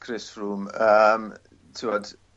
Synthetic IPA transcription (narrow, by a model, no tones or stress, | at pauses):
kʰrɪsruːməm | tʰɪwɔd̥